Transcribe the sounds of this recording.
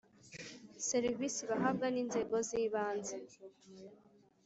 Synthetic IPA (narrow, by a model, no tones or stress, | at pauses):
seɾivisiβaɦab̚ɡaniːnze̞ɡo̞ziːβaːnze